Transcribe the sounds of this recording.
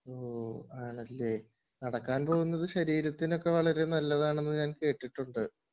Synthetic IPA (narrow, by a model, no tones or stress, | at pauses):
oːaːɳɐlːe̞ː | nɐɽɐkːaːnpo̞ːɣunːɐðɨɕɐɾiːɾɐt̪ːino̞kːe̞ʋɐɭɐɾenɐlːɐðaːɳe̞nːɨɲaːnke̞ːʈːiʈːuɳɖɨ